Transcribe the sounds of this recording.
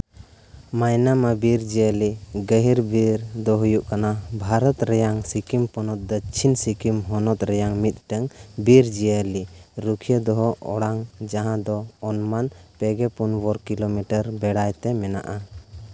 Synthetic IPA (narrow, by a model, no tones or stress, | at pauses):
majnamabiɾd͡ʒijəliɡəɦiɾbiɾd̪ɔɦujuʔkanabʱaɾɔt̪ɾɛjaŋsikimpɔnɔt̪̚d̪ɔt͡ʃʰinsikimɦɔnɔt̪ɾɛjaŋmit̪̚ˀʈɛŋbiɾd͡ʒijəliɾukʰijəd̪ɔɦɔɔ̰ɽaŋd͡ʒaɦãd̪ɔːnmanpɛɡɛpunbɔɾkilomiʈəɾbɛɽajt̪ɛmɛna̰ʔa